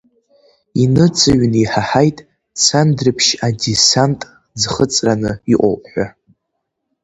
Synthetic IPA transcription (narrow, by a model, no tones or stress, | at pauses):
inɨt͡sʰɨɥniħaħajtʼ | t͡sʰandrɨpʰʃadisantʼ | d͡zχət͡sʼranɨiʔʷʼo̰wpʼħʷᶣa